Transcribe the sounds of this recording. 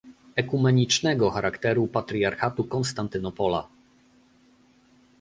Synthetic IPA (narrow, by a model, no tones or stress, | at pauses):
ɛkumɛɲit͡ʂnɛɡɔxaɾakt̪ɛɾupat̪ɾʲiaɾxat̪ukɔnst̪ant̪ɘnɔpɔla̰